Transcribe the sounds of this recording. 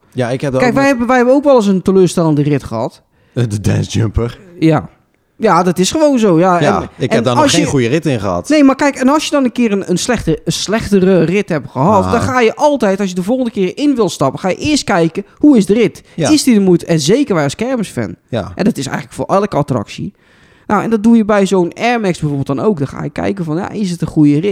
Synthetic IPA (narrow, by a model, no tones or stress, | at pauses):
jaɪkɛkɛjkʋɛɛbʋɛjhɛbənowkʋɛlˠəs̬əntəløːstɛlˠəndərɪtχəhɑ̰t | dədɛ̰̃nsd͡ʒəmpərja | jadɔtɪsχəʋoːnzowjajɪɛɛnɔnˠsənujərɪtɪnɣəɑ̰tnejmarkɛjkɛnɔlˠsjədɔnənkɪːənənslɛxtəəslɛxtərərɪthɛpχəɦɔtdɔnxaːjəʔɔlˠtɛjtɔlˠsjədəvolˠən̩dəkɪːrɪnʋɪlˠstɑpəxaːjə̰ʔɪəst̚kɛjkəhuɪsdərɪtɪsdidəmujtɛnzejkərʋɛjɔskɛrməsfɛ̰nʔɛ̰ndɔtɪsɛ̰jɣənləkfʊːrʔɛlˠkəatrɑ̰ksḭ | na̰wɛ̰ndɔt̚dujəbɛjzownɛrmɛksbɛjvoːrbɪlˠdɔnowk̚dɔxa̰ːjəkɛ̰jkəvɔnja̰ʔɪsətəχujərɪt